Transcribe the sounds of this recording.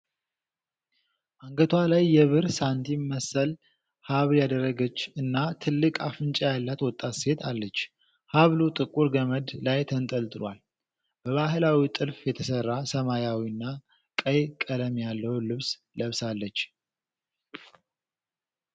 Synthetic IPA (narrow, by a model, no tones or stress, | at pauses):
ʔaŋɡət̪ʰwalajːɛβɨɾsant̪ʰiməsəl | haβljad̪ərːəɡət͡ʃːɨnːat̪ʰɨlːɨkʼafɨnt͡ʃʼajalːat̪wɔt̪ʼːat̪se̞t̪ʰalːət͡ʃː | haβlut̪ʼɨkʼːuɾɡəməd̪lajt̪ʰənt̪ʼəlt̪ʼɨlwal | b̥əβaɦɨlawit̪ʼɨlfjɛt̪ʰəsərːasəmajawiɨnːa | kʼəjkʼələmjalːəwlɨβs | ləβsalːət͡ʃː